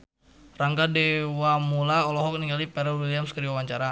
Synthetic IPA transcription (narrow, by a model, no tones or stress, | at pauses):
raŋɡadɛwamulaɔlɔɦɔk̚niŋɡalipɛɾɛlwiliamskəɾiawaɲt͡ʃaɾa